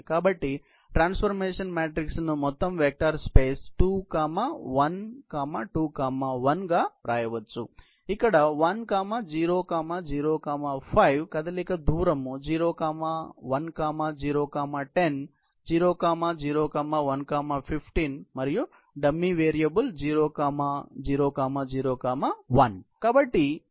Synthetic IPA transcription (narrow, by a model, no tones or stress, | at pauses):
kaːbɐʈːi | ʈɾaːnspʰɐɾmeːʂɐnmaːʈɾiksnumɔt̪ːɐmʋeːk̚ʈaːɾspeːsʈuːkaːmɐʋɐnkaːmɐʈuːkaːmɐʋɐnɡaɾaːjɐʋɐt͡ʃːu | ikːɐɽɐʋɐnkaːmɐd͡ʒiːɾoːkaːmɐd͡ʒiːɾoːkaːmɐpʰɐjʋkɐd̪ɐlikɐd̪uːɾɐmːud͡ʒiːɾoːkaːmɐʋɐnkaːmɐd͡ʒiːɾoːkaːmɐʈen | d͡ʒiːɾoːkaːmɐd͡ʒiːɾoːkaːmɐʋɐnkaːmɐpʰipʰʈiːnmɐɾiju | ɖɐmːiʋeːɾijɐbɐld͡ʒiːɾoːkaːmad͡ʒiːɾoːkaːmɐd͡ʒiːɾoːkaːmɐʋɐnkabɐʈːi